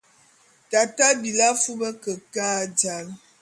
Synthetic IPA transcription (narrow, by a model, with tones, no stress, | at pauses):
ta˨ta˦bi˨la˦fu˦bə˦kə˨ka˦d͡ʒa˦l